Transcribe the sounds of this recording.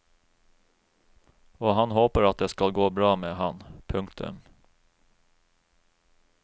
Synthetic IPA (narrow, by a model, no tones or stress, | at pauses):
ɔɦanɦoːpəɾat̪̚d̪ɛskalɡoːbɾɑːmeːɦanpʰɵŋkt̪ʰɵ̰m